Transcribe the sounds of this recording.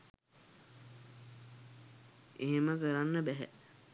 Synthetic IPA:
eɦeməkəɾanːəbæɦæ̰

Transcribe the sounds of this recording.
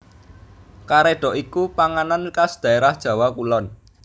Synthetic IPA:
kaɾeɖ̥ɔ̤ʔikupaŋanankasd̪̥a̤eɾahd̥ʒ̥ä̤wakulɔn

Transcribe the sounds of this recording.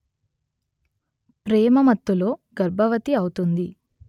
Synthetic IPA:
pɾɛːmɐmɐt̪ːulo̞ːɡɐɾbʱɐʋɐt̪iɐwut̪und̪i

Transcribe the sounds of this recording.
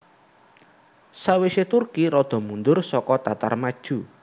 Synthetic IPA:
saweset̪urkiɾɔd̪̥ɔ̤mund̪ʊrsɔkɔt̪at̪a̰rmad̥ʒ̥ṳ

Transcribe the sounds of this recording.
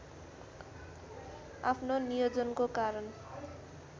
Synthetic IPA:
apʰnonijʌd͡zʌnkokaɾʌn

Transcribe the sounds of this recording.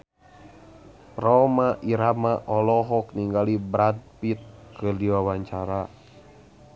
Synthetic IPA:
pɾɔmaʔiɾamaʔɔlɔɦɔk̚niŋɡalibɾad̪̚pit̪̚kɨdiwawaɲt͡ʃaɾa

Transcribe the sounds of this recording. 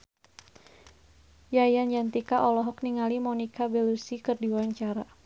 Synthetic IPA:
jajand͡ʒant̪ikaʔɔlɔɦɔk̚niŋalimɔnikabɛlusikɨrdiwaɲt͡ʃaɾa

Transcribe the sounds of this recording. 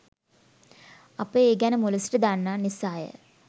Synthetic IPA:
apəeːɡænəmoləsi̥ʈəd̪anːaːnisaːjə̰

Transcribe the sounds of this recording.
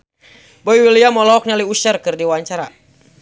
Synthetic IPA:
bɔiwiliamɔlɔɔk̚naliusɛrkɨrdiwaɲt͡ʃaɾa

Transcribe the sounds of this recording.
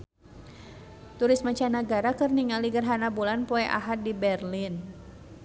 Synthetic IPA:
t̪uɾɪsmat͡ʃanaɡaɾakərniŋaliɡərɦanabulanpɔɛʔa̰ɦat̪̚dibɛrlin

